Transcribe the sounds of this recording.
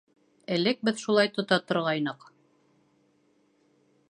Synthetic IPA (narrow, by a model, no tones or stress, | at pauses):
æ̆lɘk̚bɘðʃulˠɑjt̪ŏt̪ɑt̪ŏɾʁɑjnɤq